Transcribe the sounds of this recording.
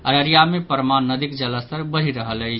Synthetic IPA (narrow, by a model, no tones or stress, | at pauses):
əɾəɾijamepəɾmannːəd̪ikd͡ʒələst̪əɾbəɾ̤iɾəɦələj